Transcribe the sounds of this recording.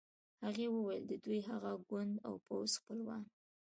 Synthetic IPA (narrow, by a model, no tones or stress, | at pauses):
haɣewəwajld̪əd̪ujɦaɣaɡwʊnd̪a̰wpawzxpəlwɑn